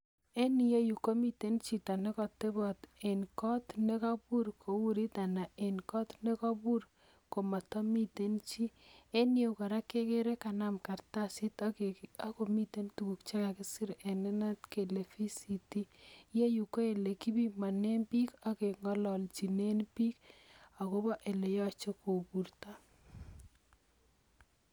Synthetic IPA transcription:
e˦ni˨je˦ju˨ko˦mi˦te˦nt͡ʃi˨ta˨ne˦kɔ˨tːe˦bɔ˨te˨nkɔ˦tne˦ka˦bu˦ɾkʰo˨wu˦ɾi˦t̪a˨na˨ʔe˨nkɔ˦t̪ne˦kɔ˦bu˦ɾ | ko˨ma˨tɔ˦mi˦te˦nt͡ʃi˦e˦ni˦o˨kɔ˨ɾa˦ke˦ke˦ɾe˦ka˨na˦mka˨rta˦sɪ˦ta˦ko˨mi˦te˦ntu˨ku˨kt͡ʃa˦ka˨kɪ˦si˦ɾe˨nɛ˦na˦tke˨le˨fi˦si˨ti˦je˦ju˨ko˦e˨le˨ki˦bi˦ma˨ne˦mpi˦ka˦ke˨ŋɔ˦lɔ˨lt͡ʃi˨ne˦npi˦ka˨ko˦bɔ˦ʔe˨le˨jɔ˦t͡ʃɔ˦ko˨bu˨ɾta˦

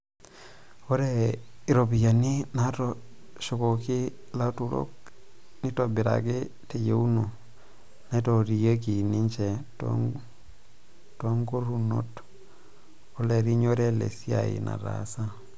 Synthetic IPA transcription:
o˦ɾei˨ɾo˨pi˨ja˨ni˦na˦to˦ | ʃo˨ko˨ki˦ | la˦tu˨ɾo̰˦k̚ | ni˦to˨bi˨ɾa̰˨ki˦ | te˨je˨u˦no˨ | na˨˦i˦to˨ɾi˨ja˦k̬i˨ni˦ɲt͡ʃe˨to̰ | toŋɡo˦ɾu˦no̰˦t | o˦le˨ɾi˦ɲo˦ɾe˦lḛ˨si˦a̰˨ḭ˨na̰˨ɾa̰sa˦

